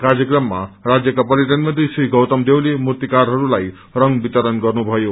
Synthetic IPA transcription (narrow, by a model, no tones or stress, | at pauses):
karjʌkrʌmːa̰rad͡zjʌkapʌɾjiʈʌnmʌnt̪risriɡʌwt̪ʌmd̪ewlemurt̪ikaɾɦʌɾulaj | rʌŋbit̪ʌɾʌnɡʌrnubʱʌjo